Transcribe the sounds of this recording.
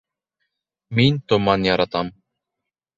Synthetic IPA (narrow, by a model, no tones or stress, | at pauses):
minʲt̪ŏmɑnjɑɾɑt̪ɑm